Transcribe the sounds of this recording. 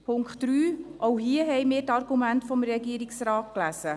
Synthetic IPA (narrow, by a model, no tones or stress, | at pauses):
pʰʊŋkχtɾyːʔowɦiəɦɛjmɪːɾtɑrɡumæntfɔmɾɛɡiəɾiksɾaːt̚klæsə